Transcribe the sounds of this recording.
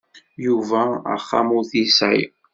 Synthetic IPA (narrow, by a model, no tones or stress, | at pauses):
juvæə̰χːa̰muθisʕḭ